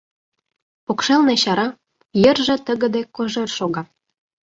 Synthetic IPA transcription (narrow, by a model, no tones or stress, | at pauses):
pokʃelneɕɑɾɑ | jə̆rʒĕt̪ə̆ɣə̆d̪ekoʒerʃoɣɑ